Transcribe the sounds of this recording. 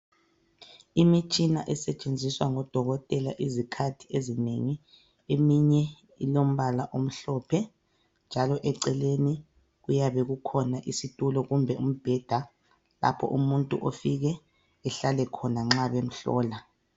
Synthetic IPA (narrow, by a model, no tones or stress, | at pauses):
imit͡ʃʼinaʔɛsɛt͡ʃʼend͡zʱiswaŋɔd̥ʱɔɣɔtʼɛla̰ʔizikʰatʰi̥ezineŋi | emiɲɛ | ilom̩βalaʔom̩ɬɔːpʰɛ | nd͡ʒʱalɔʔɛǀɛleni | ɣujaβɛɣukʰɔnaʔisitʼulɔɣumbʱɛum̩b̥ʱɛd̥ʱa | la̰pʰɔ̰ʔumuntʼṵʔofiɣɛ | ɛɬalɛkʰɔnaŋ͡ǁaβem̩ɬɔ̰ːla